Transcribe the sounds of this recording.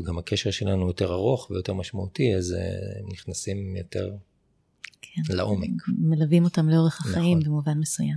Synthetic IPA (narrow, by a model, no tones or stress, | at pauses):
ɡamhakʰeʃeʁʃelanujo̞teʁaʁo̞χvejo̞teʁmaʃmautiaz̰niχnasimjote̞̰ʁ | kʰenlaʔomekmelavimo̞tamleo̞ʁeχhaχaimbemuvanmesujam